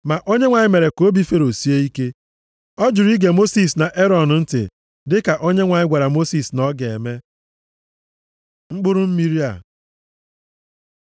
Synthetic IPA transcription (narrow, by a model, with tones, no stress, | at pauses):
ma˨ʔo˦ɲe˦ŋʷa˨ɲɪ˦me˨ɾe˨ko˦bi˦fe˦ɾo˨si˦e˦i˦ke˦ | ɔ˦d͡ʒʊ˨ɾi˦ɡe˨mo˦si˦sna˨ʔe˦ɾɔ˨n˨n̩˦tɪ̰˨ | dɪ˦ka˨ʔo˦ɲe˦ŋʷa˨ɲɪ˦ɡʷa˨ɾa˨mo˦si˦˨snɔ˦ɡe˨e˨me˦ | ŋ͡m̩˦k͡pʊ˦ɾʊ˦m̩˦mi˦ɾi˦a̰˨